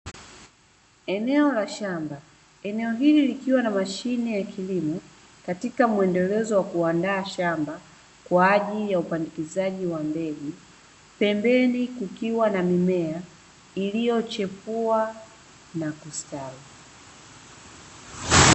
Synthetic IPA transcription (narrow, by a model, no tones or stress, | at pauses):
ɛnɛɔlaʃamba | ɛnɛɔɦililikiwanamaʃinɛjakʰilimɔ | katikamuɛndɛlɛzɔwakuandaːʃamba | kwaːʄiljaupanikizaʄiwambɛli | pɛmbɛnikukiwanamimɛa | ilijɔt͡ʃɛpua | nakustali